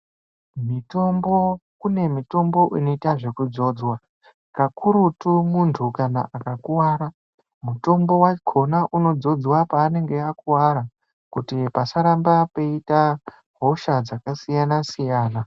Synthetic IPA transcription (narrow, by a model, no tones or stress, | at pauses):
mito̞mbo̞kune̞mito̞mbo̞ʔino̞itaʐe̞kud͡zo̞ːd͡zwa | kakʰuɾutumuntʰukana̰ʔakakuwaːɾa | muto̞mbo̞wakʰo̞naʔuno̞d͡zo̞d͡zwapaːne̞ŋɡe̞akuwaɾa | kutipasaɾambapeita | ɦo̞ʃad͡zakasijanasijaːna